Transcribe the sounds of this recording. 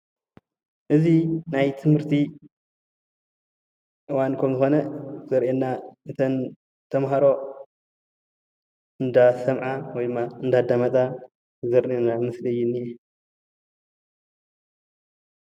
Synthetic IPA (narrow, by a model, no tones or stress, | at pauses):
ʔɨzinajt̪ʰɨmhɨɾt̪ʰi | ʔɨwankʰɐmzɨxo̞nɐz̥ɐɾʔenːaʔɨt̪ʰɐn | t̪ʰɐmɦaɾo̞ | ɨnd̪asɐmʕawɔjd̪ɨmːaɨnd̪ad̪amɐt̪ʼa | zɐɾʔenːamɨslɨjːɪnːijɛ